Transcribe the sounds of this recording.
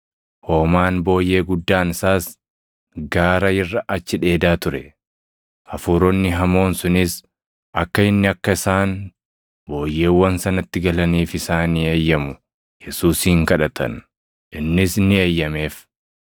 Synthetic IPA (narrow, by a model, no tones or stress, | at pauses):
ho̞ːmaːnbo̞ːjːe̞ːɡʊd̪ːaːnɪsaːs | ɡaːɾɐɪrːɐʔɐt͡ʃːɪᶑe̞ːd̪aːt̪ʊɾɛ | ʔɐfuːɾɔnːɪɦɐmo̞ːnsʊnɪs | ʔɐkːɐɪnːɪɐkːɐɪsaːn | bo̞ːjːe̞ːwːɐnsɐnɐt̪ːɪɡɐlɐniːfɪsaːnieːjːɐmʊ | jɛsuːsiːŋkɐᶑɐt̪ʰɐ̰n | ʔɪnːɪsnɪeːjːɐme̞ːf